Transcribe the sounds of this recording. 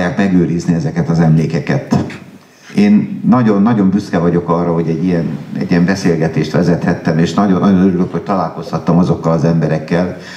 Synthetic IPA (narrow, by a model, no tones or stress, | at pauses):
jaːkmɛɡøːɾizniɛzɛkɛt̪ɒzɛmleːkɛkɛt̪ | eːnːɒɟo̞nːɒɟo̞mbyskɛvɒɟo̞kɒrːɒɦo̞ɟɛɟːijɛnɛ̰ɟːijɛmbɛseːlɡɛt̪eːʃt̪ʋɛzɛt̪hɛt̪ːɛmeːʃnɒɟo̞nːɒɟo̞nøɾyløkho̞c̚t̪ɒlaːlko̞shɒt̪ːɒmɒzo̞kːɒlɒzɛmbɛɾɛkːɛl